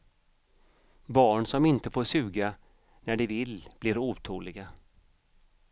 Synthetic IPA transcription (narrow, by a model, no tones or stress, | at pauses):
bɑːɳsɔmɪnt̪əfoːʂʉ̟ːɡa | næɖɪvɪlb̥lɪɾuːt̪ʰuːlɪɡa